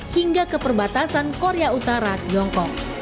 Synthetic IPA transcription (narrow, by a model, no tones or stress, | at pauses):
hiŋɡakəpərbat̪asankoɾeaut̪aɾat̪iɔŋkɔk̚